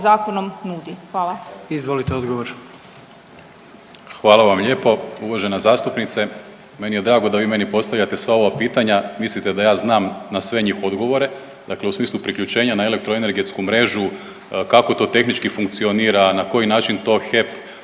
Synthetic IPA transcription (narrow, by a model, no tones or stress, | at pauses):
zaːkonomnuːd̪ixʋaːlˠaizʋolit̪eod̪ɡoʋoɾ | xʋaːlˠaʋamʎe̞ːpo̞uʋaʒe̞nazaːst̪upnit̪se̞ | me̞nije̞d̪ɾaːɡo̞d̪aʋiːme̞nipo̞st̪aʋlʎat̪e̞sʋao̞ʋapiːt̪aɲamislit̪e̞d̪ajaːznaːmnasʋe̞ɲiːxo̞d̪ɡo̞ʋo̞ɾe̞ | d̪akle̞usmiːslˠupɾikʎut͡ʃe̞ːɲanae̞le̞k̚t̪ɾoene̞ɾɡe̞t̪skumɾe̞ːʒu | kako̞t̪o̞ːt̪e̞xnit͡ʃkifuŋkt̪sioniːɾanako̞jinaːt͡ʃint̪o̞ːxep